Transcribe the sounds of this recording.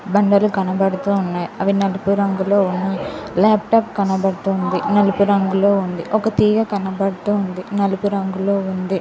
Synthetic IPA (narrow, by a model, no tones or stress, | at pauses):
bɐɳɖɐlukɐnɐbɐɽut̪uːunːaːjiɐʋinɐlupuɾɐŋɡulo̞ːunːɐlaːpʈaːp̚kɐnɐbɐɽut̪uːnd̪inɐlupuɾɐŋɡulo̞ːund̪iʔɔkɐt̪iːɡɐkɐnɐbɐɽut̪uːund̪inɐlupuɾɐŋɡuloːund̪i